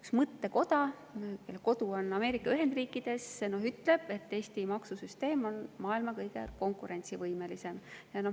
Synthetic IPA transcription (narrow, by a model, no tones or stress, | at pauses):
yksmɤt̪ːe̞ko̞d̪̥ɑ | kelːeko̞d̪uo̞nɑme̞ːɾikːˑɑyɦe̞nd̪̥riːkːˑid̪̥e̞sːe̞no̞ɦyt̪ːle̞b̥e̞t̪ːe̞ːst̪imɑksusyst̪e̞ːmo̞nmɑːilmɑkɤjɡ̥ḛko̞ŋkˑuɾe̞nʲt̪sivɤjme̞lise̞mjɑno̞h